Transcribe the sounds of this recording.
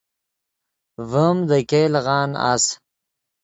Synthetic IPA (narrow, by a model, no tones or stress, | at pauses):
vəmd̪əkelɣɑːna̰s